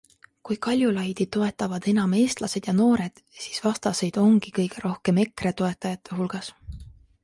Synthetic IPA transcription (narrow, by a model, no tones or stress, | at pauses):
kujkɑlʲjulɑjd̪̥it̪o̞e̞t̪ːˑɑvɑd̪̥e̞nɑme̞ːst̪lɑse̞d̪̥jɑno̞ːɾe̞d̪̥ | si̥ːsvɑst̪ɑse̞jd̪̥o̞ŋɡ̥ikɤjɡ̥e̞ɾo̞hke̞me̞kre̞t̪o̞e̞t̪ːˑɑjɑt̪ʰˑːe̞ɦulɡ̥ɑs